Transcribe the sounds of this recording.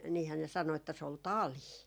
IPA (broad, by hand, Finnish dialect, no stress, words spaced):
niːhæː ne sɑno etːæ se ol tɑliː